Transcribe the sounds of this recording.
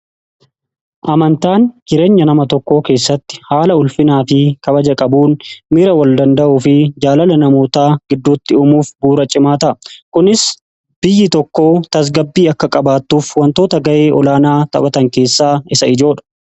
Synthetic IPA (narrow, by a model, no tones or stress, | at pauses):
ʔɐmɐnt̪aːnd͡ʒɪɾe̞ːɲːɐnɐmɐt̪ɔkːo̞ːke̞ːsːɐt̪ːɪ̥haːlɐʊlfɪnaːfɪkɐbɐd͡ʒɐkʼɐbuːnmɪɾɐwɐld̪ɐnd̪ɐʔufɪd͡ʒaːlɐlɐnɐmo̞ːt̪aːɡ̥ɪd̪ːuːt̪ːɪʊmuːfbuːɾɐt͡ʃʼɪmaːt̪ɐkʊnɪs | b̥ɪjːɪt̪ɔkːo̞ːt̪ɐs̬ɡɐbːiːɐkːɐkʼɐbaːt̪ːuːfwɐnt̪o̞ːt̪ɐɡɐʔe̞ːʔɔlaːnaːt̪ɐ̰kʼɐt̪ɐŋke̞ːsːaːɪsɐɪd͡ʒo̞ːᶑɐ̥